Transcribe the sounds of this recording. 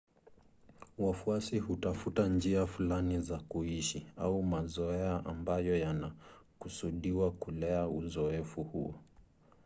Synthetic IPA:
wafuasiɦutafutand͡ʒiafulanizakuiʃiaumazɔɛaʔambajɔjanakusuɗiwakulɛauzɔɛfuhuɔ

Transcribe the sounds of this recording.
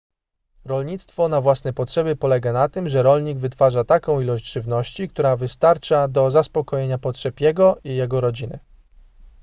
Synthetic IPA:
ɾɔlɲit̪st̪fɔnavwasnɛpɔtʂɛbʲjɘpɔlɛɡanat̪ɘmʐɛɾɔlɲiɡvɘt̪faʐat̪akɔ̃w̃ilɔɕd͡ʑʐɘvnɔɕt͡ɕikt̪uɾavɘst̪aɾt͡ʂad̪ɔzaspɔkɔjeɲapɔtʂɛpjɛɡɔʔijɛɡɔɾɔd͡ʑinɘ̰

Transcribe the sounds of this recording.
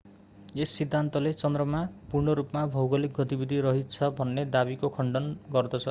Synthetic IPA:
esːid̪ʱːant̪ʌlet͡sʌnd̪rʌmapurnʌɾupmabʱʌwɡʌlik̚ɡʌt̪ibid̪ʱiɾʌɦit͡sʰʌbʱʌnːed̪abikokʰʌɳɖʌnɡʌrd̪ʌt͡sʰʌ

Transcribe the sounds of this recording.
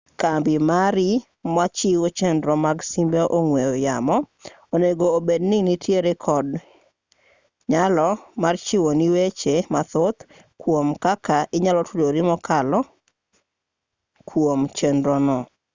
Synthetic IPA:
kambɪmaɾi | mat͡ʃiwot͡ʃendɾɔmaɡsimbeʔoŋwejojamɔ | oneɡoːbedninitʰjeɾekʰɔd | ɲalɔmart͡ʃɪwoniwet͡ʃemat̪ot̪ | kwomkakaʔɪɲalɔtʰudoɾɪmɔkʰalɔ | kʰwomt͡ʃendɾɔnɔ

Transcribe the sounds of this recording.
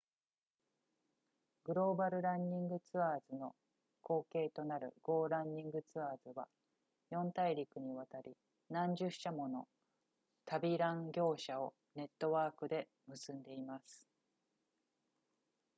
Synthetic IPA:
ɡɯ̟ɾo̞ːbaɾɯ̟ɾãɲːĩŋɡɯ̟t͡sɨaːzɨno̞ | ko̞ːke̞ːt̪o̞naɾɯ̟̰ɡ̥o̞ːɾãɲːĩŋɡɯ̟t͡sɨaːzɨβa | jõ̞nt̪aiɾʲikɯ̟ɲ̟iβat̪aɾʲi | nãɲd͡ʑɨɕamo̞no̞̰ | t̪abʲiɾãŋɡʲo̞ːɕao̞ | ne̞t̪ːo̞βaːkɯ̟d̪e̞ | mɯ̟sɨ̃nd̪e̞imasɨ̥

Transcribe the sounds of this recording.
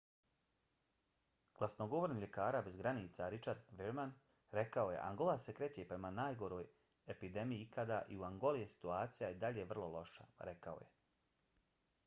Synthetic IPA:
ɡ̥lasnoɡo̞ʋoɾniːmʎʲe̞kaːɾabe̞zɡɾaniːt̪saɾit͡ʃaɾd̪ʋiɾman | ɾe̞kao̞je̞̰ʔa̰ŋɡo̞lˠase̞kɾe̞t͡ɕepɾe̞manaːjɡo̞ɾo̞ːj | e̞pid̪e̞mijiikad̪aʔiuaŋɡo̞lijesi̥t̪uaːt̪sijajed̪aʎeʋr̩lˠo̞lˠo̞ʃa̰ɾe̞kao̞̰je̞

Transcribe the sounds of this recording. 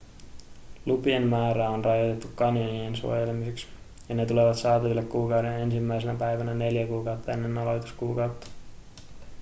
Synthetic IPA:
lupienːæːɾæonrɑjot̪e̞t̪ːukkɑnjɑniensṵojelemiseks | jɑne̞t̪ule̞ʋɑt̪sɑːt̪ɑʋilːekkuːkɑwde̞ne̞nsimːæjs̬enæpæjʋænæne̞ljækuːkɑwt̪ːɑe̞nːe̞nːɑlo̞jt̪u̥skuːkɑwt̪ːɑ̥

